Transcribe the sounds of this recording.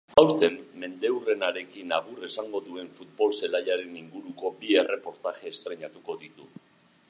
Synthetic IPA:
awɾt̪e̞mːe̞nd̪e̞wre̞naɾe̞kinaɣ̞ure̞saŋɡo̞ðue̞ɱfut̪̚bo̞lse̞laʎaɾe̞niŋɡuɾuko̞bie̞re̞po̞ɾt̪aʝe̞ːst̪ɾe̞ɲat̪uko̞ðit̪u

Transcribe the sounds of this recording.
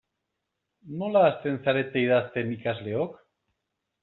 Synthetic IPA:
nolaːst̪en̟θaɾet̪ejðaθt̪emikazleok

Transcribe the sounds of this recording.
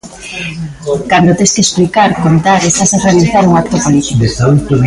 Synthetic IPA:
kand̪ot̪eskesplikaɾkont̪aɾest̪asarealiθaɾuŋakt̪opolit̪ikd̪esaut̪on

